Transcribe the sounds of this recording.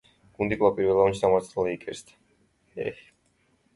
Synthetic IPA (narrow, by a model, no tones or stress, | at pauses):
ɡ̥und̪ikʼlˠapʼiɾvɛlaɔnt͡ʃʰd̪amaɾt̪sʰaliikʼɛɾst̪ʰ | ɛ̰h